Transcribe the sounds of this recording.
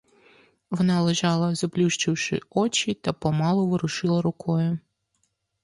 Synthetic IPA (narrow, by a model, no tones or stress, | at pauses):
ʋɔnɑlˠeʒɑlˠɐzɐplʲuʃt͡ʃɪwʃɪ̰ɔt͡ʃit̪ɐpɔmɑlˠɔʋɪɾʊʃɪlˠɐɾʊkɔjʊ